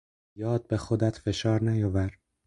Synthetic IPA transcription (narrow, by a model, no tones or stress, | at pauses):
jɒːd̪̥̚be̞xod̪æt̪ʰfe̞ʃɒːɾnæjɒvæɾ